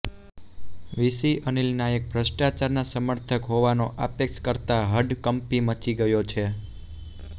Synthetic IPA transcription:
ʋisiʔənilnaek̚bʱɾəsʈat͡ʃaɾnasəməɾt̪ʰəkɦoʋanoʔa̰pjəkʃkəɾt̪aɦəɖkəmpimət͡ʃiɡəjot͡ʃʰe

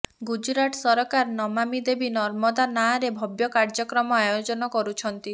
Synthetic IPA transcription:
ɡud͡ʒɾaʈsɔɾɔkaɾnɔmamid̪ebinɔɾmɔd̪anaɾebʱɔbjɔkaɾd͡ʒɔkɾɔmɔajod͡ʒɔnɔkɔɾut͡ʃʰɔnt̪i

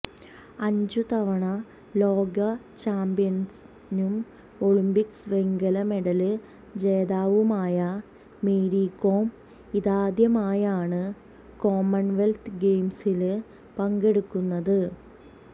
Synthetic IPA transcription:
ɐɲd͡ʑut̪ɐʋɐɳɐ | lo̞ːɡɐ | t͡ɕaːmbijɐns | num | oɭimbiksʋe̞ŋɡɐlɐme̞ɽɐlɨ | d͡ʑe̞ːðaːʋumaːjɐ | meːɾikːoːm | iðaːd̪jɐmaːjaːɳɨ | ko̞ːmːɐnʋelt̪ʰɡejmsil | pɐŋɡe̞ɽukːunːɐðɨ

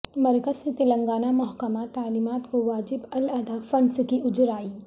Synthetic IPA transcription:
mɐɾkəsset̪ɪlə̃ŋɡaːnamʊɦkəmat̪aːliːmaːt̪koʋaːd͡ʒɪbɐlɐd̪afɐ̃ɳɖskiʊd͡ʒɾaːiː

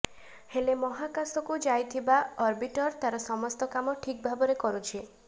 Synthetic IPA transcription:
helemɔɦakasɔkud͡ʒajt̪ʰibaɔɾbiʈɔɾt̪aɾɔsɔmɔst̪ɔkamɔʈʰik̚bʱabɔɾekɔɾut͡ʃʰi

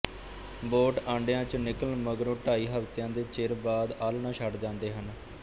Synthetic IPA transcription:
boːʈãːɳɖjãːt͡ʃənɪkəlməɡɾõːʈaːiːɦəft̪ɪjãːd̪eːt͡ʃeɾbaːd̪aːlnãːʃʰəɖd͡ʒãːnd̪eːɦən

